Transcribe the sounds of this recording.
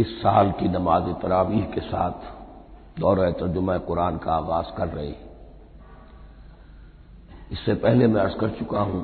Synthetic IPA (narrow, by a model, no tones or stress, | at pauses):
ɪsːaːlkinɐmaːzet̪ɐɾaːʋiːɦkesa̰ːt̪ʰ | d̪ɔːɾaet̪ɐɾd͡ʒʊmãeqʊɾaːnkaaːɣaːzkɐɾːɐɦḛ | ɪsːepɛɦlemɛ̃ɐɾzkɐɾt͡ʃʊkaɦũ